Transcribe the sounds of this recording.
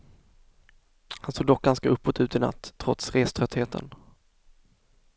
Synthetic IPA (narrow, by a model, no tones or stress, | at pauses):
hansoːɡd̪ɔk̚ɡanskaʔɵpːoːt̪ʉ̟ːt̪ɪna̰t̪ːʰɾɔt̪sɾeːst̪ʰɾœt̪heːt̪ʰə̰n